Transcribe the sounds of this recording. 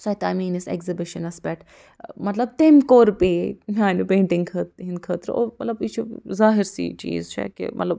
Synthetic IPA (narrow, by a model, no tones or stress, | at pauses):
saːjt̪aːmiːnɪsḛkzibɪʃənɐspɛʈ | mɐt̪lɐb̚t̪emkoːɾpemãːnupẽːɳʈɪ̃ŋɡkʰət̪ɦinkʰəːt̪ɾo̰ːmɐt̪lɐbit͡ʃʰuzaːɦɪɾsḭt͡ʃḭːzt͡ʃʰɛ̰kḛmʔɐ̰t̪lɐb